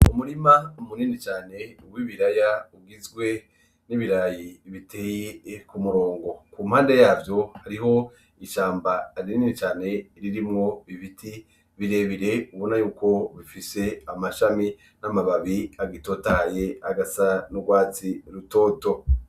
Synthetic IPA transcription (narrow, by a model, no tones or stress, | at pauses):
umuɾimaumuniːnit͡ʃaːne̞uwiβiɾajauɡizɡwe̞ | niβiɾajiβitʰe̞ːjekumuɾo̞ːŋɡo̞kumhaːndejaːbjo̞haɾiɦo̞ | iʃaːmbaːɾiniːnit͡ʃaːne̞iɾiɾimŋo̞βiviti | βiɾe̞βiɾe̞uβo̞najuːko̞βifise̞amaʃami | namaβaβiaɡito̞tahaje̞aɡasanuɡwaːt͡siɾuto̞ːto̞